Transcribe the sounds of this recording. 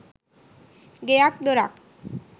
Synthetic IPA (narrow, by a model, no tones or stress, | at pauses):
ɡeak̚d̪oɾak